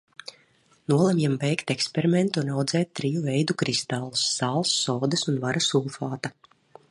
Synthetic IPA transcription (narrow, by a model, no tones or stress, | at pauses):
nuɔlˠamjɛmbɛjkt̪ɛkspʲeɾiment̪unawd̪zɛːt̪̚ʲtːɾijuvɛjd̪ukɾist̪alˠusːaːlˠsːɔːd̪ɨsunvaɾasuːfaːt̪a